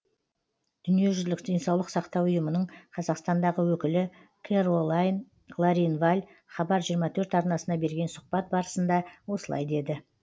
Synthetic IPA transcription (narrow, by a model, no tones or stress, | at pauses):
d̪̥ʏnije̞ʒʏzlɪkd̪ejnsɑwlˠəqsɑqt̪ɑwʊjəmənəɴqʰɑzɑqst̪ɑnd̪ɑʁəwɵkʲɪlɪ | kʲʰeɾolˠajn | lˠaɾinvalʲ | χɑbɑɾʒijəɾmɑt̪ʰɵɾt̪ɑɾnɑsənɑbe̞ɾɡʲe̞nsʊq̚pɑt̪̚bɑɾəsənd̪ɑwo̞səlˠɑ̰jd̪e̞d̪ɪ